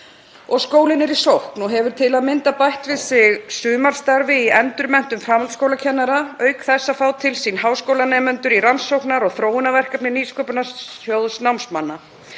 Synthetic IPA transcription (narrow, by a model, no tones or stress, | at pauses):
ɔɣskoːwlɪnɛɾisowhknuɦɛvʏɾ̥t̪ʰɪlaðmɪnt̪apajht̪vɪðsɪɣsʏːmaɾ̥st̪aɾvɪiɛnt̪ʏɾmɛn̥t̪ʏmfɾaːmalt̪skowlacʰɛnːaɾaœːɥkθɛsːafaːwt̪ʰɪlsinɦawskowlanɛːmʏnt̪ʏɾiɾansowknaɾɔɣθɾoːwɪnavɛr̥kapnɪniːskɔpʏnajowðsnawmsmanːa